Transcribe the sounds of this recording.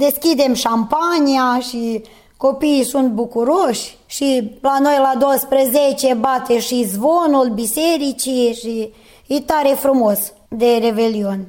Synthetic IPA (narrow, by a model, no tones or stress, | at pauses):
d̪eskid̪emʃampanʲiaʃi | kopiːsunt̪̚bukuɾoʃʲ | ʃilanojlad̪owəspɾəzet͡ʃebat̪eʃizvonulbiseɾit͡ʃiʃi | it̪aɾefɾumos | d̪eɾebelionʲ